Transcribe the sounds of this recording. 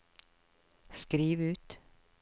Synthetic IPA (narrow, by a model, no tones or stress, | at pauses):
skɾiːʋʉːt̪